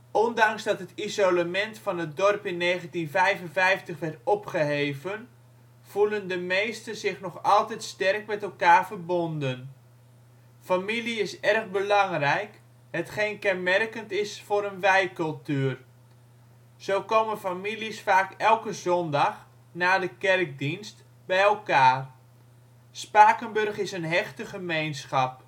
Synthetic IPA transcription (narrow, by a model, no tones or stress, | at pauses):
ʔɔndɑŋzdɑtɦətizoləmɛntfɑnɦət̚dɔrpɪnːeːχəntinfɛjvənvɛjftəχʋɛrtɔpχəɦejvən | v̥uləndəmejstəzɪxnɔχɑlˠtɛjtstɛrkmɛtɛlˠkaːrvərbondən | familiɪsɛrɣbəlɑŋrɛjk | hətχejnkɛnmɛrkəntɪsfoːɾənʋɛjkɵlˠtyər | z̥oːwkowmənfamilisfaːkɛlˠkəzɔndɑx | naːdəkɛrk̚dinst | bɛjɛlˠkaːr | spaːkənbɵrχɪsənɦɛxtəχəmejnsχɑp̚